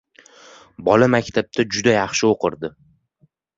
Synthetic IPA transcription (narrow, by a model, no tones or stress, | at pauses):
bɒlamakʲt̪ʰab̚t̪ʰad͡ʒʊd̪ajɑχʃɪoqʰɨɾd̪ɪ